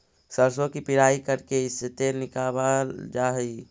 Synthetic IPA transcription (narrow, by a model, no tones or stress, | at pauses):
səɾsõkipɪɾaːikəɾkeɪset̪eɾnɪkaːbad͡ʒaːɦi